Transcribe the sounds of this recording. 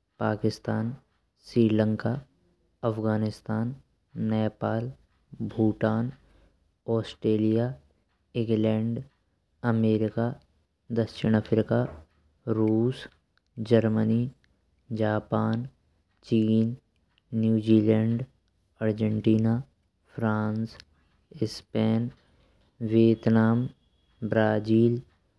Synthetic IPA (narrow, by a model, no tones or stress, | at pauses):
paːkɪst̪aːn | sɾiːlə̃ŋka | ɐfʰɡaːnɪst̪aːn | nɛːpaːl | bʱuːʈaːn | ɔːsʈɾeːlija | ɪ̃ŋɡlɛːɳɖ | ɐmeːɾɪka | d̪ɐkʃɪɽ̃afʰɾɪka | ɾuːs | d͡ʒəɾməni | d͡ʒaːpaːn | t͡ʃiːnː | juːd͡ʒiːlɛɳɖ | əɾd͡ʒeɳʈiːnaː | pʰɾãːns | ɪspeːn | ʋeːt̪naːm | bɾaːd͡ʒiːl